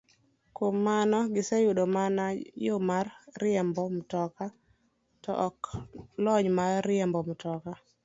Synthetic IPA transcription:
komːanɔɡɪsɛjuɗomanajomarːɪɛmbɔm̩tɔka | tɔʔɔklɔɲmarɪɛmbɔmtɔka

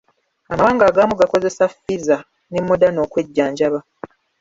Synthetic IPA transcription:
amawaːŋɡaːɡaːmuɡako̞ze̞safːiza | nemːodano̞ːkwe̞ɟːaːɲɟaβa

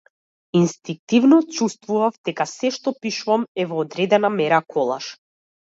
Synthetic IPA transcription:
inst̪iŋk̚t̪ivnɔt͡ʃust̪vuvavd̪ɛkasɛʃt̪ɔpiʃuvamɛvɔːd̪ɾɛd̪ɛnamɛɾakʰɔlˠa̰ʃ

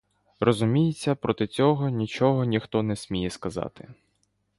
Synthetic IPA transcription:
rʔɔzʊmʲijɪt͡sʲːɐpɾɔt̪ɪt͡sʲɔɦɔnʲit͡ʃɔɦɔnʲixt̪ɔnɛsʲmʲijɛskɐzɑ̰t̪ɪ

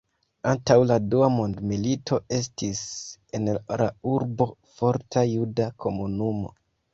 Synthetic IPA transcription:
antawladuamo̞ndmilitʰo̞e̞stise̞nla̰uɾbo̞fo̞ɾtʰajudakʰo̞munumo̞̰

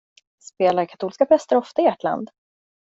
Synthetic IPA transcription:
speːlaɾkʰḁt̪uːlskapʰɾɛst̪əɾɔft̪aɪɛʈʰla̰nd̪

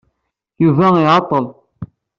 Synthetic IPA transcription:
juvæiʕɑt̪ˤːəl

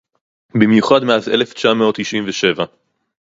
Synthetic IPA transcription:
bimjuχad̪meazḛleft͡ʃameot̪ːiʃimveʃe̞va

